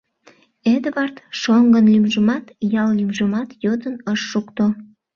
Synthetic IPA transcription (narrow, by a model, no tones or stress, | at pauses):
ed̪βɑrt̪ʃoŋɡənlymʒəmɑt̪jɑllymʒəmɑt̪jod̪ənəʃːukt̪o